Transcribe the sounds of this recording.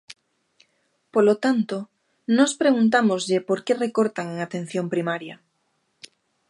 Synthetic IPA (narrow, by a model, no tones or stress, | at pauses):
polot̪ant̪o | nospɾeɣunt̪̬amozʎepoɾkerekoɾt̪aŋeŋat̪ẽn̟θjompɾimaɾja